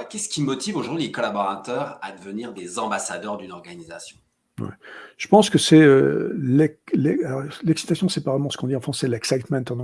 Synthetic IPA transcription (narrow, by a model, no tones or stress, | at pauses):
kʲɛsə̥kʲimɔt̪ivoʒuʁd̪ɥilekɔlabɔʁat̪œʁad̪əvəniʁd̪ezɑ̃basad̪œʁd̪ynɔʁɡanizasjɔ̃ | wɛ̰ʒ̥ə̥pɑ̃skəsɛø̰lɛlɛalɔʁlɛksi̥t̪asjɔ̃sɛpavʁɛmɑ̃sə̥kɔ̃d̪iɑ̃fχɑ̃sɛlɛksajt̪mɛ̃nt̪ɑ̃d̪ɔ̃